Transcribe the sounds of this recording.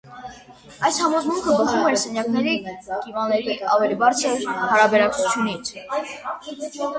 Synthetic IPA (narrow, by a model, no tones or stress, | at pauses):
ɑjshɑmɔzmuŋkʰəbəχumɛɾsɛnjɑknɛɾiɡ̥ivɑnɛɾiʔɑvɛlibɑɾt͡sʰəɾhɑɾɑbɛɾɑkt͡sʰut͡sʰjunit͡sʰ